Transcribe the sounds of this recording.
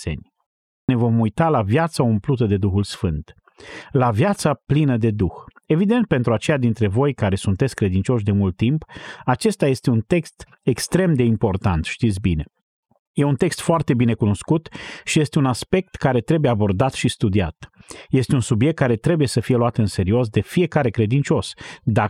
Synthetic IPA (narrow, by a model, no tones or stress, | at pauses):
ḛnʲ | ne̞vo̞mujt̪alavjat̪saumplut̪̬əd̪e̞d̪uxulsfɨnt̪ | lavjat̪saplinəd̪e̞d̪ux | e̞vid̪e̞nt̪̚pe̞nt̪ɾuat͡ʃe̞jad̪int̪ɾe̞vo̞jkaɾe̞sunt̪e̞t̪sʲkɾe̞d̪int͡ʃo̞ʃd̪e̞mult̪ːimpat͡ʃe̞st̪aje̞st̪eunt̪e̞kst̪ | e̞kst̪ɾe̞md̪e̞impo̞rt̪ant̪ʃt̪it̪sʲbine̞ | je̞unt̪e̞kst̪foart̪e̞bine̞kuno̞skut̪ʃije̞st̪e̞unaspe̞k̚t̪kaɾe̞t̪ɾe̞bujeabo̞rd̪at̪ʃist̪ud̪ia̰t̪je̞st̪e̞unsubijek̚t̪̚kaɾe̞t̪ɾe̞buje̞səfije̞luat̪ɨnse̞ɾio̞s̬d̪e̞fije̞kaɾe̞kɾe̞d̪int͡ʃo̞sd̪a